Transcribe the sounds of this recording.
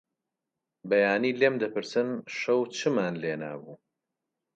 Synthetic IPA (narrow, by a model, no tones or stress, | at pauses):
bɐjaːniːlemd̪ɐpɨɾsɨnʃɐwt͡ʃʰɨmaːnleːna̰ːbuː